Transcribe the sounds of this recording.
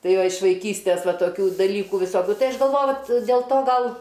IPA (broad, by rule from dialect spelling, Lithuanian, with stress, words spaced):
ˈtɐɪ ˈʋɐ ɪʃ ʋɐɪˈkʲiːsʲtʲeːs ˈʋɐ toːˈkʲuː dɐˈlʲiːkuː ʋʲɪˈsoːkʲʊ ˈtɐɪ ˈɐʃ ɡɐlˠˈʋoːjʊ dʲeːlˠ ˈtoː ˈɡɐlˠ